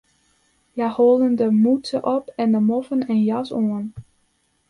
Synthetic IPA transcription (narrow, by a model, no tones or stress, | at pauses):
jahoːlˠdəndəmutəʔɔpɛndəmɔfənɛnjɑsoən